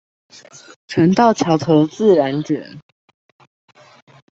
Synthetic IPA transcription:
ʈ͡ʂʰwə˧˥nt̪ɑ˥˩ʊt͡ɕʰjɑ˧˥ʊt̪ʰo˧˥ʊt͡sɹ̩˥˨ɻa˧˦nʈ͡ʂə̰˨˩˦n

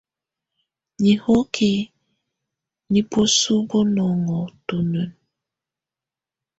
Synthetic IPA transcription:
ɲi˨ho˦kʰi˨ | ni˨po˦su˦bo˦nɔ˨ŋɔ˨to˨nə˨n

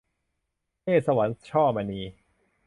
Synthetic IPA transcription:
pʰeː˥˩t̪̚sa˧wa˩˦nt͡ɕʰɔː˥˩ma˧niː˧

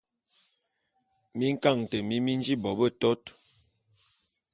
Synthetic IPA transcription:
mi˦ŋ̩˦ka˦˨ŋtə˨mi˦mi˦n˦d͡ʒi˦bɔ˨bə˦˨tɔ˦t

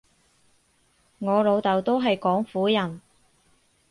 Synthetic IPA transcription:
ŋɔː˨˧lo˨˧wt̪ɐ˨wt̪o˥wɦɐ˨jkɔː˨˥ŋfuː˨˥jɐ˨˩n

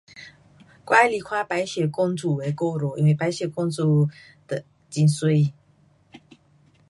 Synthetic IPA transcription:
kwa˥li˨˩kʰwa˥˧pa˧˥ɪɕjɛ˨˩kɔ˥˧ŋt͡su˨˩we˧˥ɪko˥˧ʊɾɔ˨˧˦ʔḭ˥˦nwe˥˩ɪpa˧˥ɪɕjɛ˨˩kɔ˥ŋt͡sɔ˥˩ | d̪̥ə˨ | t͡ɕi˧˦nswe˥ɪ˨

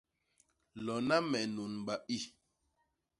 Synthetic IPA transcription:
lɔ˨na˦mɛ˨nu˨n˨ba˨ʔi˦˨

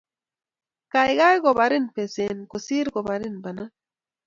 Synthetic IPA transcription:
ka˨jɡa˦jɡɔ˨ba˨ɾi˦npe˨se˨nko˨si˦ɾɡɔ˨ba˨ɾi˦nba˨na˦

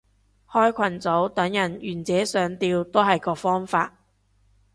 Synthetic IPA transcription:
hɔː˥jkʷʰɐ˨˩nt͡so˨˥wt̪ɐ˨˥ŋjɐ˨˩njyː˨˩nt͡sɛː˨˥sœː˨˥ŋt̪iː˧wt̪o˥wɦɐ˨jkɔː˧fɔː˥ŋfaː˧t̚

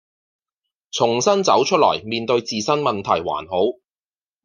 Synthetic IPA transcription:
t͡sʰʊ˨˩ŋsɐ˥nt͡sɐ˨˥wt͡ʃʰɵ˥lɔ̰ː˨˩jmiː˨nt̪ɵ˧ɥt͡siː˨˧sɐ˥nmɐ˨nt̪ʰɐ̰˨˩jwa̰ː˨˩nɦo˨˥w

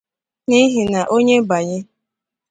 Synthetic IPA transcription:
ni˦ɦi˨na˨ʔo˦ɲe˦ba˨ɲɪ˦

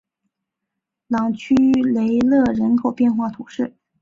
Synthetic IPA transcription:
lɑ˨˩ŋt͡ɕʰy˥le˧˥ɪlɤ˥˩ɻə˧˥nkʰo˨˩ʊpjɛ˥˧nxwa˥˩t̪ʰu˨˩˦ʂɻ̩˥˩

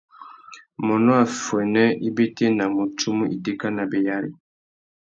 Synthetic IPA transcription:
mɔ˨nɔ˦a˨fwɛ˨nɛ˦i˦be˦te˦na˨mo˨tu˦mu˦ʔi˨de˦ka˦na˨be˨ja˦lḭ˨

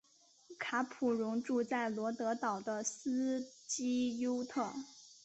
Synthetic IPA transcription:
kʰa˧˥pʰu˨˩ɻʊ˧˥ŋʈ͡ʂu˥˧t͡sa˥˩ɪlwɔ˧˥t̪ɤ˧˥t̪ɑ˨˩ʊd̪ə˦sɹ̩˥t͡ɕi˥jo˥ʊt̪ʰɤ˥˩

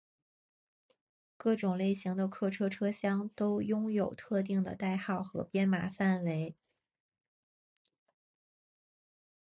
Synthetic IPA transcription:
kɤ˥˩ʈ͡ʂʊ˨˩ŋle˥˩ɪɕi˧˥ŋd̪ə˧kʰɤ˥˩ʈ͡ʂʰɤ˥ʈ͡ʂʰɤ˥ɕjɑ˥ŋt̪o˥ʊjʊ˥ŋjo˨˩ʊt̪ʰɤ˥˧t̪̬i˥˩ŋd̪ə̰˩t̪a˥˧ɪxɑ˥˩ʊxɤ̰˧˥pjɛ˥nma˧˥fa˥˩nwe˧˥ɪ

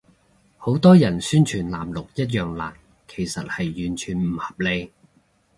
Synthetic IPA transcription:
ho˨˥wt̪ɔː˥jɐ˨˩nsyː˥nt͡ʃʰyː˨˩nlaː˨˩mlʊ˨k̚jɐ˥t̬̚jœː˨ŋla̰ː˨˩n | kʰe˨˩jsɐ˨t̚hɐ˨jːyː˨˩nt͡ʃʰyː˨˩nm̩˨˩hɐ˨p̚le˧j

